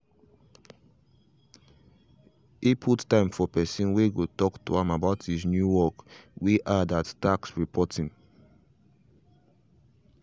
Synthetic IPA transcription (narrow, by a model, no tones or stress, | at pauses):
ipʰuttãɪ̃mfɔpɛsĩnweɡotɔktuãmabaʊthiznjuwɔkwiʔadattaksɹipʰɔtĩŋ